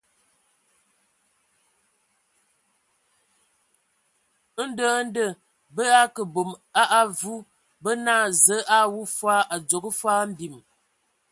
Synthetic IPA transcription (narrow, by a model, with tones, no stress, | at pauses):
n̩˦dəː˦n̩˦də˨ | bə˦a˦kə˨bo˨ma˦ʔa˦vu˦ | bə˦naː˦˨zə˨˦ʔa˦˨wu˦fwa˦ʔa˨d͡zo˨kə˦fwaː˦m̩˦bi˨m